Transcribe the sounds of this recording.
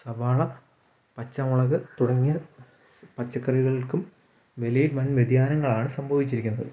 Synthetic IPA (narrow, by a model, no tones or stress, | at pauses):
sɐbaːɭɐ | pɐt͡ɕːɐmuɭɐɣɨt̪uɽɐŋːijɐ | pɐt͡ɕːɐkːɐriɣɐɭilkum | ʋelejdmɐnʋed̪jaːnɐŋːɐɭaːɳɨsɐmbʱɐʋit͡ɕːiɾikʲːunːɐðɨ